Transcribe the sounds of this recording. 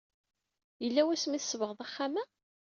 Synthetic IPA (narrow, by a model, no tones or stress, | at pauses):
jəlːæwæsmiθsːəvəʁðˤæχːamæ